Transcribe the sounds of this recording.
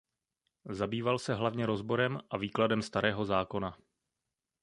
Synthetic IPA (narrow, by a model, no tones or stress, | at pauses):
zabiːvalsɛɦlavɲɛɾo̞zbo̞ɾɛmʔaviːkladɛmst̪aɾɛːɦo̞zaːko̞na